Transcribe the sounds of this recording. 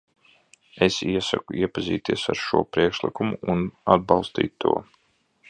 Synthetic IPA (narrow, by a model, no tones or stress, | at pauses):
esiɛsa̰kuiɛpaziːt̪iɛsaɾʃuɔpɾiɛkʃlˠikumuːnad̪̚bɑlˠst̪ḭːt̪ːuɔ